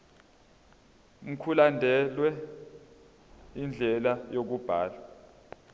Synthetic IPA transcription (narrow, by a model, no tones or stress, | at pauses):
ŋ̩kʰulandʱɛlwɛ | ind͡ɮʱɛlajok̬ub̥ʱa̰ːla